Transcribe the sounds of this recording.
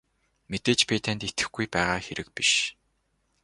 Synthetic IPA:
met̪eːt͡ɕpʰet̪ʰent̪et̪ɘ̆xɡujpæːʁaːxeɾɘ̆k̚piʃ

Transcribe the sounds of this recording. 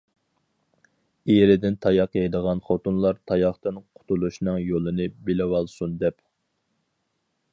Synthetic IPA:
eɾɪd̪ɪnt̪ʰɑjɑqɛjd̪əʁɑnχot̪unlˠɑɾt̪ʰɑjɑχt̪ɨnqʰʊ̥t̪ʰulˠuʃnɨŋjolˠɨnɨbɪlɪwɑlˠsund̪ɛp

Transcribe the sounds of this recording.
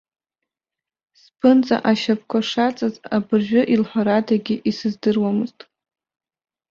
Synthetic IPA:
spʰɨnt͡sʼa̰ʔaʃap̚ʰkʷʰaʂat͡sʼazabɨrʒᶣʊʔilħʷaɾadaɡʲɪʔisɨzdɨrwamɨztʼ

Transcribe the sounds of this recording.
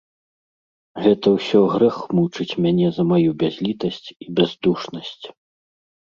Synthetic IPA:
ɣɛt̪ɐwsʲɔɣɾɛxmut͡ʂɨt͡sʲmʲanʲɛzɐmajubʲazʲlʲit̪ɐsʲt͡sʲibʲazd̪uʂnɐsʲt͡sʲ

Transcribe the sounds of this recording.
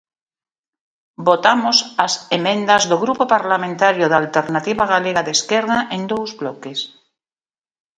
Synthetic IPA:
bot̪amosasemẽ̞nd̪azðoɣɾupopaɾlamẽnt̪aɾjoðalt̪eɾnat̪iβaɣ̞aleɣaðeskeɾðaʔend̪owzβlokes

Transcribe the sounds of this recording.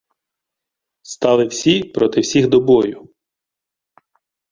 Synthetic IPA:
st̪ɑlˠɪwsʲipɾɔt̪ɪwsʲiɣd̪ɔbɔjʊ

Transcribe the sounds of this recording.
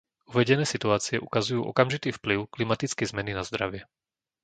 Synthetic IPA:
uʋɛɟɛnɛːsit̪uaːt͡siɛʔukazujuːʔɔ̰kamʒit̪iːfpliʊklimat̪it͡skɛjzmɛninazd̪ɾa̰ʋɪɛ

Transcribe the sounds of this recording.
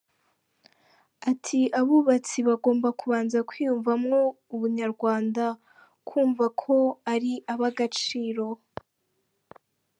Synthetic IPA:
atʰiʔaβuβat͡siβaɡo̞ːmbakuβaːnzakwiːjuɱvamŋo̞ | uβuɲaɾɡwaːnda | kwuːɱvakʰo̞aɾiaβaɡat͡ʃiːɾo̞

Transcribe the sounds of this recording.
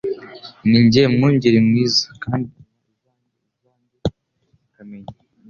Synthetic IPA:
niɲɟemŋuɲɟiɾimŋiːzḁkaːndi | kamɲe

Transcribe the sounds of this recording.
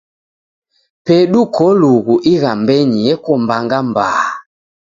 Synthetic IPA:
pɛɗukɔluɣuʔiɣambɛɲijɛkɔmbaŋɡambaa

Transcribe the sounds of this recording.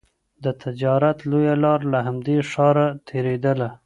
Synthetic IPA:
d̪ət̪ʰɪd͡ʒɑɾat̪lojalɑɾlaɦamd̪eʂɑɾat̪ʰeɾed̪əla

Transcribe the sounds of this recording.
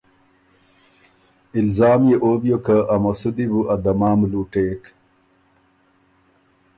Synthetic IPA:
ɪlzaːmjeʔoːbjokaʔːmɐsud̪ibuʔad̪ɐmaːmluːʈeːk

